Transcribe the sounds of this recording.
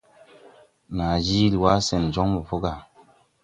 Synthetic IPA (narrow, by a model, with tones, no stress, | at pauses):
na˨d͡ʒi˦li˨wa˦se˨nd͡ʒo˦ŋmu˨fo˦ɡa˨